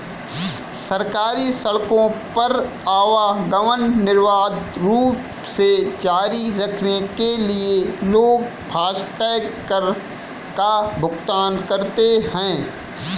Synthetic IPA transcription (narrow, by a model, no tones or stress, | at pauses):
sɐɾkaːɾisɐɭkõpɐɾ | aːʋaɡɐʋənːɪɾʋaːd̪ɾuːp | sed͡ʒaːɾiɾɐkʰnekelieloːɡ̚bʱaːʃʈɛː | əɾ | kabʱʊɡt̪aːnkɐɾt̪eɦɛ̃ː